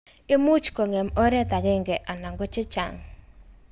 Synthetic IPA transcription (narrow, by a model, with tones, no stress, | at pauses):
ɪ˦mu˦t͡ʃkɔ˨ŋɛ˨mɔ˦ɾɛ˦ta˨ɡɪ˦ŋɡɛ˨ʔa˨na˨ŋɡɔ˦t͡ʃɪ˦t͡ʃa̰˨ŋ